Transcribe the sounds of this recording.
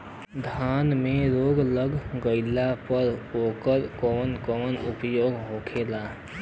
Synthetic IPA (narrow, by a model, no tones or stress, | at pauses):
d̪ʱanmeɾoɡləɡɡəɪlapəɾokəɾkɔːnkɔːnupjoɡɦokʰela